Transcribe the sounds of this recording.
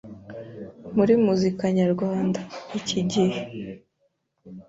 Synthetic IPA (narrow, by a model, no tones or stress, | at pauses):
muɾimuzikaɲaɾɡwaːndaiciɟihe